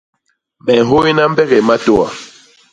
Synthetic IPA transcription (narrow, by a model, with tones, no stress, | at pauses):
mɛ˨ɦo˦i˦na˦m̩˦bɛ˦ɣe˨ma˦to˦a˨